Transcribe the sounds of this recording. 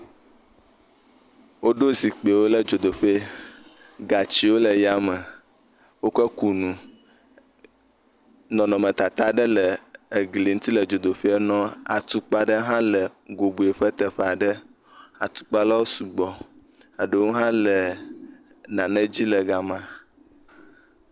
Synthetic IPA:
wo˦ɖo˦si˨k͡pe˨wo˦lə˦d͡ʒo˨d̪o˨ɸe˦ | ɡa˨t͡ɕi˦wo˦lə˨ja˦mə˨ | wo˦kə˦ku˨nũ˨ | nɔ̃˨nɔ̃˨mə̃˨t̪a˨t̪a˦ɖə˦lə˨e˨ɡli˨ŋũ˦t̪i˦lə˨d͡ʒo˨d̪o˨ɸe˦ɛ˦nɔ̃˦a̰˨t̪u˦k͡pa˦ɖə˦ɦã˦lə˨ɡo˨bu˨e˨ɸə˦t̪ə˨ɸɛ˦a˨ɖə˦ | a˨t̪u̥˦k͡pa˦la˦wo˦su˨ɡ͡bɔ˨ | a˨ɖə˦wo˦ɦã˦lə˨ | nã˨nə̃˦d͡ʑi˦lə˨ɡa˨mã˦

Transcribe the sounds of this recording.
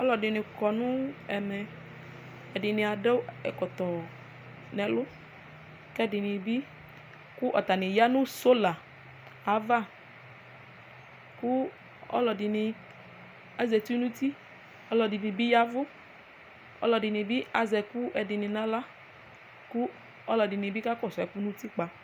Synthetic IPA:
ɔ˦lɔ˨dɪ˨nɪ̃˨kɔ˨nʊ̃˦ɛ˨mɛ˨ | ɛ˨dɪ˨nɪ̃˨a˨dɛ˦wɛ˨kɔ˨t̪ɔ˨ | nɛ̃˨lʊ˦ | kɛ˦dɪ˨nɪ̃˨bi˦ | kʊ˦ʔɔ˨t̪a˨nɪ̃˨ja˦nʊ̃˦so˦la˨ | a˨va˦˨ | ku˦ | ɔ̰˦lɔ˨dɪ˨nɪ˧ | a˨zɛ˨tu˦nũ˦ti˦ | ɔ˦lɔ˨dɪ˨nĩ˨bi˦ja˦vʊ˦ | ɔ̰˦lɔ˨dɪ˨nɪ˨bi˦a˨˦zɛ˨ku˦ʔɛ˧dɪ˨nɪ˧nã˦la˦ | ku˦ | ɔ˦lɔ˨dɪ˨nɪ̃˨bi˦ka˦kɔ˦˨sɔ˨ɛ˨ku˦nũ˦ti˦k͡pa˨

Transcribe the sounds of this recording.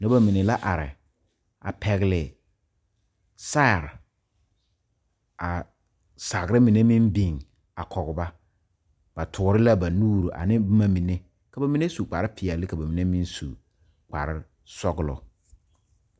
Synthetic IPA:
nã˦ba˨mĩ˨nɪ̃˨la˦ʔa˨ɾɪ̰˨ | a̰˨pʰɛ˨ɣlɪ˨ | sa˦˨ɾ | a˨ | sa˨ɡɾɪ˦mĩ˨nẽ˦mĩ˦mbĩ˨ŋ | a˨kʰɔ˨ɡba˦ | b̥a˨tʰʊ˨˦ɾɪ˦la˦ba˨nuː˦˨ɾo˨ʔa̰˨nɪ̃˦bmã˨mĩ˨nẽ˦ | kʰa˨ba˨mĩ˦nẽ˦su˨k͡pa˨ɾɪ˦pʰɪ˨a˨lɪ˦kʰa˨ba˨mĩ˨nẽ˦mĩ˦nsu˨ | k͡pʰa̰˨ɾɪ˦ | sɔ˦ɡɪ˦lɔ̰˨

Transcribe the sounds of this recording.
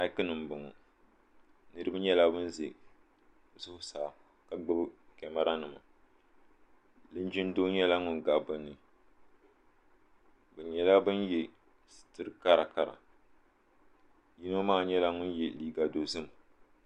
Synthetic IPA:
a˦kɨ˦nɨ˨m̩˨bʊ˨ŋɔ˨ | nɨ˦ɾɨ˦bɨ˦ɲɛ˦la˦bɨ˦n˦ze˨ | sʊ˦hʊ˦saː˨ | ka˨ɡ͡bɨ˦bkɛ˨ma˦ɾa˦nɨ˨ma̰˨ | lɨ˦n˦d͡ʒi˦n˦do˦ɲɛ˦la˦ŋʊ˨nɡa˨bɨ˦nːɨ˨ | bɨ˨ɲɛ˨la˦bɨ˦njɛ˨ | stɨ˦ɾɨ˦ka˦ɾa˨ka˨ɾa̰˨ | ji˦no˦maː˦˨ɲɛ˦la˦ŋʊ˦njɛ˨liː˦ɡa˨do˨zɨ˦m˨

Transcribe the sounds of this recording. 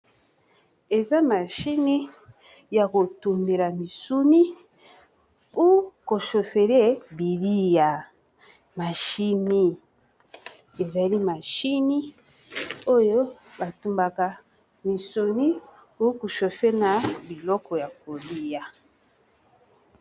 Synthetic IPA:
e˨za˦ma˨ʃi˦ni˦ | ja˨ko˨tu˨mbe˨la˨mi˨su˦ni˦ | u˦ko˨ʃo˨fe˨le˦bi˨li˦ja˨ | ma˨ʃi˦ni˦ | e˨za˨li˦ma˨ʃi˦ni˦ | o˦jo˦ba˨tu˨mba˨ka˨ | mi˨su˨ni˦ | u˦ku˨ʃo˨fe˦na˨bi˨lɔ˦kɔ˨ja˨ko˨li˦ja˨

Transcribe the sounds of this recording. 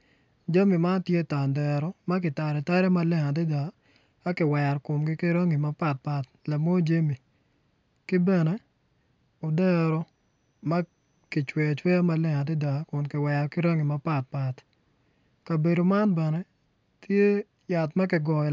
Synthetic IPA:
d͡ʒa˦mi˨ma˦tje˦ta˨ndɛ˨ɾɔ˦ma˦k̬ɪ˨ta˨ɾɛ˨ta˦ɾɛ˦ma˦lɪ˦ŋa˨d̬ɪ˦da˨ | a˦kɪ˨wɛ˨ɾkʊ˨mɡɪ˦kɪ˦ɾa˦ŋi˨ma˦pa˨t̚pa˨t | la˨mo˦d͡ʒa˦mi˨ | kɪ˦bɛ˨nɛ˦ | o˨dɛ˦ɾɔ˦ | ma˦ | kɪ˨t͡ʃwɛ˨t͡ʃwɛ˦a˦ma˦lɪ˦ŋa˨dɪ˦da˨kʊ˨nkɪ˨wɛ˨ɾkɪ˦ɾa˦ŋi˨ma˦pa˦t̚pa˨t | ka˨be˨do˨ma˦nbɛ˨nɛ˦ | tje˦ | ja˨tma˦kɪ˨ɡɔ˨

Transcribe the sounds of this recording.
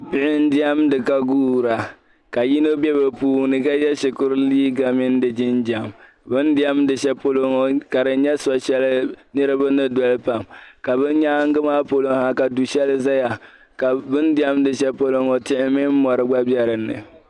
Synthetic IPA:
pɪ˦ʔɪ˦n˦dɪ˦ɛ˦mdɨ˨ka˦ɡuː˦˨ɾa˨ | ka˨ji˦no˦bɛ˦bɨ˨puː˦˨nɨ˨ka˦jɛ˦ʃɪ˨kʊ˦ɾliː˦ɡa˨mɪ˦n˦dɨ˨d͡ʒɪ˦nd͡ʒa˨m | bɨ˦ndɪ˦ɛ˦mdɨ˨ʃɛ˦po˦lo˦ŋo˨ka˨ɾɨ˨n˦ɲɛ˦sɔ˨ʃɛ˦lɨ˦nɨ˦ɾɨ˦ba˦nɨ˦dɔ˨lpa˨mka˨bɨ˦n˦ɲa˦ŋ̩˦ɡɨ˦maː˦po˦lo˨ŋha˨ka˨du˨ʃɛ˦lɨ˦za˦ja˨ | ka˨bɨ˦n˦dɪ˦ɛ˦mdɨ˨ʃɛ˦po˦lo˦ŋo˨tɪ˦ʔɪ˦mɪ˦m˦mɔ˨ɾɨ˦ɡ͡ba˦bjɛ˦ɾɨ˨nːɨ̰˨

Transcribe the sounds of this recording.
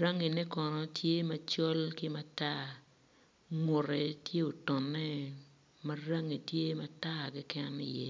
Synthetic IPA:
ɾa˦ŋi˨nɛ˦kɔ˨nɔ˨tje˦mɐ˨t͡ʃɔ˦lkɪ˦ma˦ta˦˨ | ŋʊ˨rɛ˨tje˦o˨tɔ˨nːɛ˦ | mɐ˦ra˦ŋi˨tje˦ma˦ta˦˨ɡɪ˦kɛ˦nɪ˨jɛ˦

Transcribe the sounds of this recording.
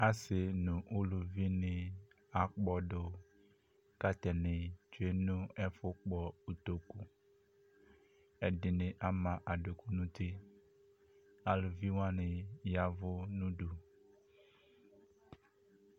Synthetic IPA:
a˨sɪ˨nũ˨ʔʊ˦lu˨vi˦nɪ̃˨ | a˨k͡pɔ˨ɖʊ˨ | ka˦t̪ɛ˨nɪ̃˨t͡ʃu˦e˦nũ˦ɛ˦fʊ˦k͡pɔ˨u˨t̪o˨ku˨ | ɛ˨dɪ˨nɪ̃˨ʔa˨mã˨ʔa˨ɖʊ˨ku˦nũ˦t̪ɪ˦ | a˨lʊ˨vi˦wã˦nɪ˨ja˨vʊ˦nũ˦du˨

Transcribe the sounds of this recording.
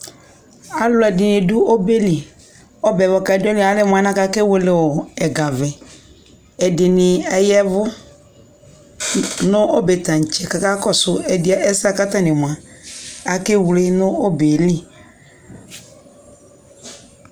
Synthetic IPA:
a˨lʊ˨˦ɛ˨dɪ˨nɪ˨dʊ˦ʔo˦be˦li˨ | ɔ˦bɛ˨vɔ˨ka˨ɛ˨dʊ˦ɔ˦lɪ˦˨a˨˦lɪ˦˨m˨a˨na˦ka˦kɪ˦wʊ˦lɪ˨wʊ˨ɛ˨ɡa˨vɛ˨ | ɛ˨dɪ˨nɪ˨ɛ˦jɛ˦vʊ˦ | nʊ̃˦ʔɔ˦bɛ˨tã˨n̩˨t͡ʃɛ˨ka˦ka˦kɔ˦sʊ˨ɛ˨dɪ˦a˦ʔɛ˦sa˦ka˦ta˦nɪ˨m˨ã˨ | a˨ke˦wle˦nʊ˦ɔ˦be˨lɪ˦

